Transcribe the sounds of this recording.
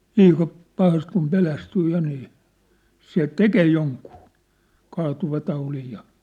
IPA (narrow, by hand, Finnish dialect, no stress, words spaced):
liːkɑ pɑhɑst kum pelæstyː jɑ niː se tekeː joŋkuː kɑːtuʋɑtɑulij jɑ